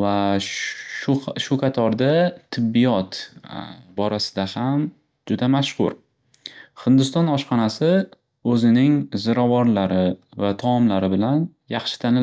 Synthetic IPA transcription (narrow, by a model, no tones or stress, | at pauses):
vaʃʃʊʃʊqʰɑt̪ʰɒɾd̪at̪ʰːɪbːɪjɒt̪ | bɒɾasɪ̥d̪aham | d͡ʒʊd̪amaʃhʊ̰ɾ | hɪnd̪ɪst̪ɒnɒʃχɑnasɪ | ɵzɪnɪŋzɪɾavɒɾlaɾɪvat̪ʰɒːmlaɾɪbɪlan | jɑχʃɪ̥t̪ʰanɪl